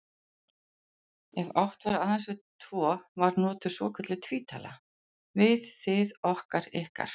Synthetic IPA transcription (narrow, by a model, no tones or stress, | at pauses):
ɛva̰wht̪vaɾaːðansvɪðt̪ʰv̥ɔːvaɾnɔːt̪ʏ̥svɔ̰ːkʰœt̪lɪt̪ʰviːt̪ʰa̰la̰ | vɪðθɪðɔhkaɾɪhka̰ɾ̥